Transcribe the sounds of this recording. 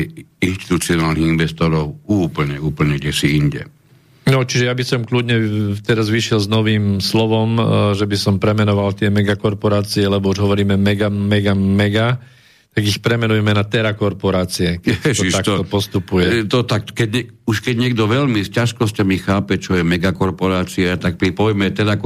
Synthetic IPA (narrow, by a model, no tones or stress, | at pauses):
inʃt̪i̥t̪ut͡siɔnaːlniɣinʋɛst̪ɔɾɔʊuːpl̩ɲɛuːpl̩ɲɛɡɟɛsiiɲɟɛ̰ | nɔt͡ʃiʒɛjabisɔmklud̪ɲɛt̪ɛɾazʋiʃɛlznɔʋiːmslɔʋɔmʒɛbisɔmpɾɛmɛnɔʋalt̪ɪɛmɛɡakɔɾpɔɾaːt͡siɛlɛbɔuʒɦɔʋɔɾiːmɛmɛɡamɛɡamɛɡa | t̪aɡixpɾɛmɛnujɛmɛnat̪ɛɾakɔɾpɔɾaːt͡siɛkɛɔt̪akt̪ɔpɔst̪upujɛt̪ɔt̪akkɛɛuʃkɛɟɲɪɛɡd̪ɔʋɛʎmiscaʃkɔscamixaːpɛt͡ʃɔjɛmɛɡakɔɾpɔɾaːt͡siɛt̪ak̚pɾipɔjmɛt̪ɛɾak